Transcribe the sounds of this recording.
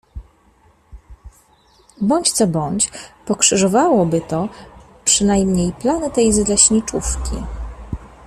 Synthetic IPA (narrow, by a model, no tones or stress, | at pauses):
bɔɲt͡ɕt̪sɔbɔɲt͡ɕpɔkʂɘʐɔvawɔbɘt̪ɔ | pʂɘnajmɲejplanɘt̪ɛjzlɛɕɲit͡ʂufkʲḭ